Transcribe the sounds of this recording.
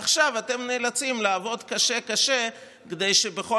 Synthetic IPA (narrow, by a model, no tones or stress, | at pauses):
aχʃavate̞mne̞ːlat͡simlaːvo̞dkaʃe̞kaʃe̞ | ked̪e̞jʃe̞beχo̞